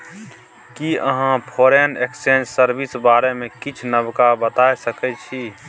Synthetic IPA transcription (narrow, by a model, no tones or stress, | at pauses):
kiəɦãpʰoɾeneksend͡ʒsəɾbisbaɾemẽkit͡ʃʰnəbkabət̪ajsəkɛt͡ʃʰi